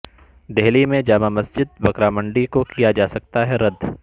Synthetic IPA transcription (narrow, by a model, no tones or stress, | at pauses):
d̪eɦlimẽd͡ʒaːmamɐsd͡ʒɪd̪̚bɐkɾamə̃ɳɖikokijad͡ʒaːsɐk̚t̪aɦɛɾɐd̪ʱ